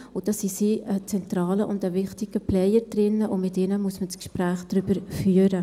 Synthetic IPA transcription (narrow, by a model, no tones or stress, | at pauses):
ʊd̥ɑsisiːət͡sɛntɾɑːləʔʊndəvɪχtɪɡ̥əplɛjəɾd̥̪ɾɪnːəʔʊmɪtɪnəmuəsməskʃpɾæːχd̥ɾʏbəɾfyəɾə